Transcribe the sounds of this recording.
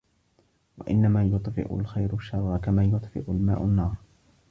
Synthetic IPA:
waʔɪnːamaːjʊt̪ˤfɪ̰ʔʊ̰lxajɾʊʃːɑrˤːɑkamaːjʊt̪ˤfɪ̰ʔʊlma̰ːʔanːɑːɾˤ

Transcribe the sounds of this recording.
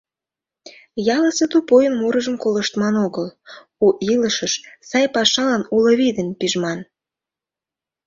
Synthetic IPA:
jɑləset̪upojənmuɾəʒəmkoləʃt̪mɑnoɣəl | uʔiləʃəʃsɑjpɑʃɑlɑnuləβid̪ənpiʒmɑn

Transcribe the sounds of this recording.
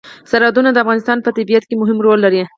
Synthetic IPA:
saɾɑd̪unad̪əafɣɑnɪst̪ɑnpət̪abijat̪kemʊɦɪmɾolːaɾi

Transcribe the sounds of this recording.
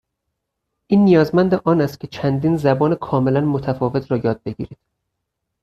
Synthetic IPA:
ʔiːnːijɒːzmænd̪eʔɒːnæst̪̚cʰʲe̞t͡ʃʰænd̪iːnzæbɒːnekʰɒːme̞lænmot̪ʰæfɒːve̞t̪ʰɾɒːjɒːd̪̚be̞ɟḭːɾiːd̪̥

